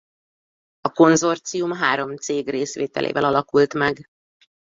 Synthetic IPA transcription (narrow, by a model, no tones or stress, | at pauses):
ɒko̞nzo̞rt̪sijumɦaːɾo̞mt̪seːɡreːsʋeːt̪ɛ̰lʔḛːvɛlɒlɒkult̪mɛɡ